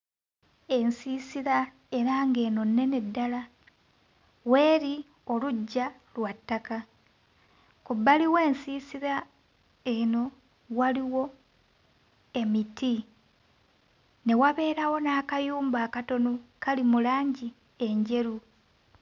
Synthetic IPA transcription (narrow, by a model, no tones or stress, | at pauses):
e̞nsiːsiɾa | e̞ɾaːŋɡe̞ːno̞nːe̞ne̞dːala | we̞ːɾi | o̞luɟːa | lwatːaka | kubːaliwe̞ːnsiːsiɾa | e̞no̞ | waliwo̞ | e̞miti | ne̞waβe̞ːɾawo̞naːkajuːmbaːkato̞nokalimulaːɲɟi | e̞ɲɟe̞ɾu